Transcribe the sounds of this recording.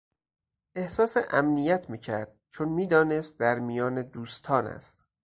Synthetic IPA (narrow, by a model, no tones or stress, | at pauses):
ʔe̞hsɒːseʔæmnijæt̪ʰmiːcʰæɾd̪̥̚t͡ʃʰonmiːd̪ɒːnest̪̚d̪æɾmijɒːned̪uːst̪ʰɒːnæ̰st̪